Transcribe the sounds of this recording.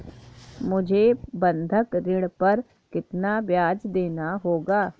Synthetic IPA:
mʊd͡ʒʱebɐ̃nd̪ʱəkɾɪɽpɐɾ | kɪt̪nabjaːd͡ʒd̪eːnaɦoːɡaː

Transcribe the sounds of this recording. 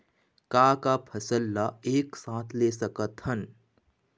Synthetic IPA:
kaːkapʰɐsəlːaeːksãːt̪ʰleːsəkət̪hən

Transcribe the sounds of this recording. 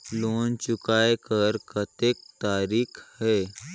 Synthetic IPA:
loːnt͡ʃʊkaːekəɾkət̪eːk̚t̪aːɾiːkʰhɛː

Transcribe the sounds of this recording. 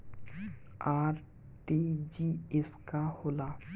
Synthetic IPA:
aːɾ | ʈed͡ʒieskahoːla

